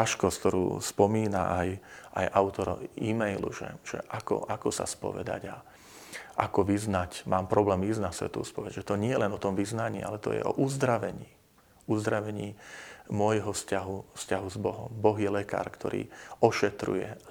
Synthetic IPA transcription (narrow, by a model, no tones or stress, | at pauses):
aʃkɔskt̪ɔɾṵːspɔmiːna̰ʔajajʔaʊt̪ɔɾimɛjlṵʒɛ̰ʒ̥ɛ̰ʔakɔ̰ʔakɔsa̰spɔ̰ʋɛ̰d̪a̰ɟa | ʔakɔʋiznacmaːmpɾɔblɛːmiznasʋɛ̰t̪ṵːspɔʋɛɟʒɛt̪ɔɲɪɛjɛlɛnɔt̪ɔmʋiznaɲḭːa̰lɛt̪ɔ̰jɛ̰ʔɔʔuzd̪ɾaʋɛɲiː | uzd̪ɾaʋɛɲiːmʊɔjɦɔfscaɦufscaɦuzbɔɦɔmbɔɣjɛlɛka̰ːɾkt̪ʰɔɾḭːɔʃɛt̪ɾṵjɛ